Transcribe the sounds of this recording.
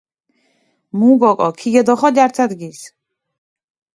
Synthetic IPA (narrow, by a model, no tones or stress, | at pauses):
muɡɔkʼɔkʰiɡɛd̪ɔχɔd̪aɾt̪ʰad̪ɡis